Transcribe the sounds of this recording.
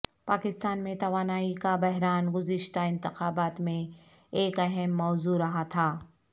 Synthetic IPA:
paːkɪst̪aːnmẽt̪ɐʋaːnaːikabɛɦɾaːnɡʊzɪʃt̪aɪ̃nt̪ɪxaːbaːt̪mẽ | eːkɛɦɛmːɔːzuɾɐɦat̪ʰaː

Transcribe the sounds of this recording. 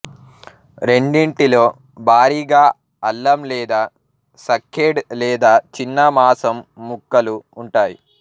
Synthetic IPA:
ɾe̞ɳɖiɳʈilo̞ː | bʱaːɾiːɡaː | ɐlːɐmlɛːd̪aː | sɐkːeːɖlɛːd̪aːt͡ʃinːɐmaːsɐmːukːɐluːɳʈaːjḭ

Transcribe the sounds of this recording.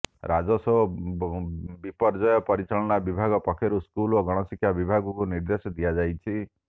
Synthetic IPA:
ɾad͡ʒɔsɔ | bipɔɾd͡ʒɔjɔpɔɾit͡ʃaɭɔnabibʱaɡɔpɔkʰːjɔɾuskuloɡɔɽ̃ɔsikʰjabibʱaɡukuniɾd̪esɔd̪ijad͡ʒajt͡ʃʰi

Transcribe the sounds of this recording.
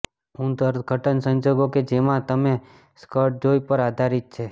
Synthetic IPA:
ũd̪əɾɡʱəʈənsə̃ɲd͡ʒoɡoked͡ʒemãt̪əme | skəɾʈ̚d͡ʒoipəɾad̪ʱaɾit̪̚t͡ʃʰe

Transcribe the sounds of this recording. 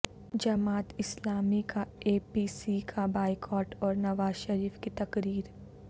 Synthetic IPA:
d͡ʒɐmaːt̪ɪslaːmikaeːpiːsikʰabaːɪkʰɔːʈɔːɾnɐʋaːzʃɐɾiːfkit̪ɐkɾiːɾ

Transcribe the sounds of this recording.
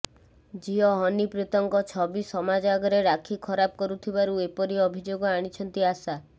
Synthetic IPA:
d͡ʒiɦɔɦɔnipɾet̪ɔŋkɔt͡ʃʰɔbisɔmad͡ʒaɡɔɾeɾakʰikʰɔɾabɔkɔɾut̪ʰibaɾuepɔɾiɔbʱid͡ʒoɡɔaɽ̃it͡ʃʰɔnt̪iasa

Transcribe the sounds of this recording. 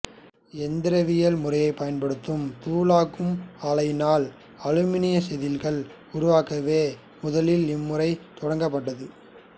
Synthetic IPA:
ɛnd̪ɪɾɐʋɪjɐlmʊrɐjɐɪpːɐjɐnpɐɽɯt̪ːɯmt̪uːlaːkːɯmaːlɐɪnaːl | ɐlɯmɪnɪjɐsɛðɪlɣɐɭ | ʊɾʊʋaːkɐʋeː | mʊðɐlɪlɪmːɯɾɐɪt̪ɔɽɐŋɡɐp̬ːɐʈːɐðɯ

